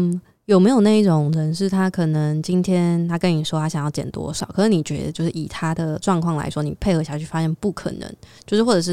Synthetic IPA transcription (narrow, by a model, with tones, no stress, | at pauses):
jo˨˩ʊme˧˥jo˨ʊna˥˧i˥˩ʈ͡ʂʊ˨˩ŋɻə˧˦nʂ̬ɻ̩˥˩t̪ʰa˥kʰɤ˨˩nə˨˦ŋt͡ɕi˦nt̪ʰjɛ˥nt̪ʰa˥kə˧˥ni˨˩ʂwɔ˥t̪ʰa˥ɕjŋjɑ˥˩t͡ɕjɛ̰˨˩nt̪wɔ̰˥ʂɑ˨˩˦ʊkʰɤ˨˩nə˧˥ni˨˩t͡ɕɥɛ˧˥d̪ə̰˧t͡ɕjo˥˧ʊʂɻ̩˥˩i˨˩t̪ʰa˥d̪ə˨ʈ͡ʂwɑ˥˧ŋkʰwɑ˥˩ŋla̰˧˥ɪʂwɔ˥nḭ˨˩pʰe˥˩ɪxɤ˧˥ɕja˧t͡ɕʰy˥˩fa˥ɕjɛ˥˧npu˥˩kʰə̰˨˩nə̰˧˦ŋt͡ɕt͡ɕjo˥˧ʊʂɻ̩˥˩wʈ͡ʂɤ˨˩ʂɻ̩˥˩